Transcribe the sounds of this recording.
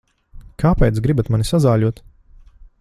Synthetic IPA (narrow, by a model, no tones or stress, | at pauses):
kʰaːpɛjt̪sɡɾibat̪manisazaːʎʲuɔt̪